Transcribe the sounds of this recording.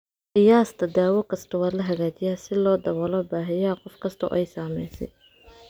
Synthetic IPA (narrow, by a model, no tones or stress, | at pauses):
qɪjaːst̪ʰɐd̪aːwɔkʰɐst̪ʰɐwaːlɐɦɐɣaːt͡ʃɪjaːsɪlɔːd̪ɐβɔlɔːbaːɦɛjaːqɔfkʰɐst̪ʰɔ̰ʔɛjsaːmɛ̰jsɛ̰j